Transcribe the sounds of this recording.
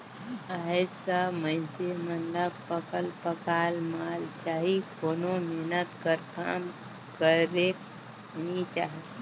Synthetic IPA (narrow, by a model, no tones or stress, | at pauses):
aːɦed͡ʒsamə̃ɪsemənləbpəkəlpəkaːlmaːlt͡ʃaːɦikoːnomeɦnət̪kəɾkaːm | kəɾe | nit͡ʃaːɦe